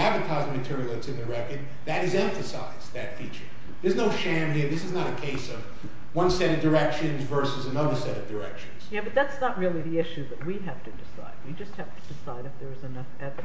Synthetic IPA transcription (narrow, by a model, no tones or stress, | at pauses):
ædvə˞tʰaɪzmɨtʰɪɹilˠeɪtsɨ̃nðɨɹɛkə˞d̪̚ | ðɨɾɨzɛ̃ɱfɨsa̰ɪzðɨtfit͡ʃə̰˞ | ðə˞znoʊʃæ̃mhiɹðɪsɨznəɾɨkʰeɪsʌv | wʌ̃nsɛɾʌvdə˞ɛkʃɨ̃nzvɜ˞sɨzɨ̃nʌðə˞sɛɾʌvdə˞ɛ̰kʃɨ̃n̩z̥jæbʌt̪̚ðætsnət̚ɹɪlˠiðiɪʃʉðɨt̚wiɦæftʰɨdɨsa̰ɪd̚wid͡ʒʌst̚hæftʰɨ̥dɨsaɪɾɨfðə˞ɨzɨnʌfɛv